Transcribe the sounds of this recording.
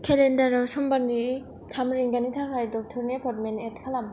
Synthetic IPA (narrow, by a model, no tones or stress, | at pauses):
kʰelendaɾasɔmbani | tʰamɾiŋɡanitʰakʰajdɔk̚tʰɔɾniepʰɔtmenet̚kʰalam